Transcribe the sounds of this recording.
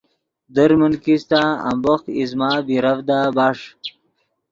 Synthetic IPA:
d̪əɾmənkist̪aa̰mboxizmaːbiɾavd̪abaʂ

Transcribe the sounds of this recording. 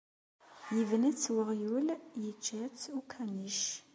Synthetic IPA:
jəvnæt͡sːwəʁjuljət͡ʃːæt͡sukʰæniʃ

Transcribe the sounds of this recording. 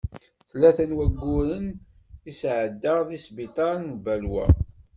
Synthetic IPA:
θlæθənwæɡːʊɾən | isʕəd̪ːəʁðisbit̪ˤɑɾnbælwæ̰

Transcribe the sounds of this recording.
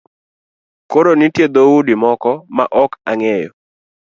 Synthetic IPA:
koɾonitjed̪oudimɔkɔmaʔɔkaŋɛjɔ

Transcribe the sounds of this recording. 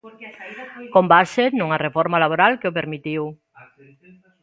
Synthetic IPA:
kombasenuŋarefɔɾmalaβoɾalkeop̬eɾmit̪iw

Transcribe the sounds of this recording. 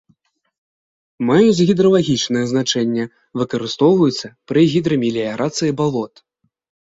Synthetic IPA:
majut͡sʲɣʲid̪ɾɐlˠaɣʲit͡ʂnɨjɛznat͡ʂɛnʲːɛ | vɨkɐɾɨst̪ɔwvɐjut̪sːɐpɾɨɣʲid̪ɾɐmʲilʲiaɣɾʔat̪sɨjibalˠɔt̪

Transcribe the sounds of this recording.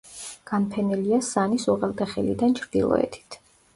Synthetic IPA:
ɡ̥anpʰɛnɛliasanisuʁɛlˠd̪ɛχɛlḭd̪ant͡ʃʰɾd̪̥ḭlˠɔ̰ɛ̰t̪ʰi̥t̪ʰ

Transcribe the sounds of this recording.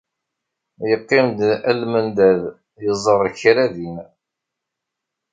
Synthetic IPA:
jəqːɪmd̪ælmənd̪æð | jəzˤərˤçɾæðin

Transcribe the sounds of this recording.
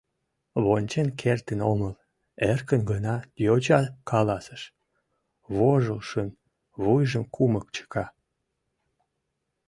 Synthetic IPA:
βonʲt͡ɕenkʰert̪ənoməl | erkənɡənɑjot͡ɕɑkɑlɑsəʃ | βoʒəlʃən | βujʒəmkʰuməkt͡ɕə̥kɑ

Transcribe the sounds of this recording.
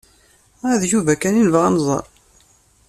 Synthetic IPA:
æðʒuvækːæninvəʁænzˤɑ̰ɾˤ

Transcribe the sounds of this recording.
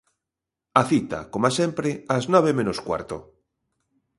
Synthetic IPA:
aθit̪a̰komasempɾeaznɔβ̞emẽnoskwa̰ɾt̪o̰

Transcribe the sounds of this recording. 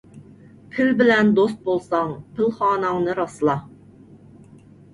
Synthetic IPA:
pʰɪlbɪlɛnd̪os̬t̪̚bolˠsɑŋpʰɪlχɑːnɑŋnɨɾɑslˠɑ

